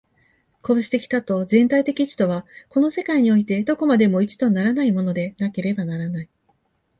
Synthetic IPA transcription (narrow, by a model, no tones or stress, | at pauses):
ko̞ːɕi̥t̪e̞kʲi̥t̪at̪o̞zẽ̞nt̪ait̪e̞kʲit͡ɕi̥t̪o̞β̞ako̞no̞se̞kaiɲ̟io̞it̪e̞d̪o̞ko̞mad̪e̞mo̞it͡ɕi̥t̪o̞naɾanaimo̞no̞d̪e̞nake̞ɾe̞banaɾanai